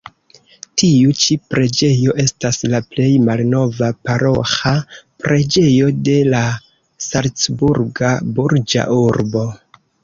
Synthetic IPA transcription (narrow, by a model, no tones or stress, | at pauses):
tiut͡ʃipɾe̞d͡ʒe̞jo̞ʔe̞staslaple̞jmalno̞vapaɾo̞xapɾe̞d͡ʒe̞jo̞de̞la | salt͡sbuɾɡabuɾd͡ʒa̰ʔuɾbo̞